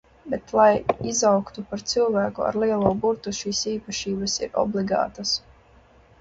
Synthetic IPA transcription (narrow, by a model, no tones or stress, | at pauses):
bet̪lˠajizawkt̪upaɾt̪sɨlˠvæːkua̰ɾlˠiɛlˠuːbuɾt̪uʃiːsiːpaʃiːbasḭɾɔ̰blˠiɡa̰ːt̪as